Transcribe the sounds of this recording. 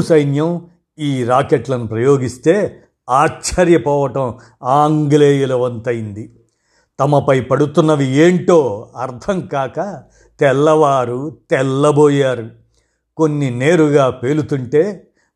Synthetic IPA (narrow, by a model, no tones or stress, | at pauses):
sɐjnjɐm | iːɾaːkeʈlɐnupɾɐjo̞ːɡist̪e̞ː | aːt͡ʃɐɾjɐpɔːʋɐʈɐm | aːŋɡleːjulɐʋɐnt̪ɐjind̪i | t̪ɐmɐpɐjpɐɽut̪unːɐʋieːɳʈoːɐɾt̪ʰɐŋkaːkɐ | t̪ɛlːɐʋaːɾut̪ɛlːɐboːjaːɾu | ko̞nːine̞ːɾuɡaːpe̞ːlut̪uɳʈe̞ː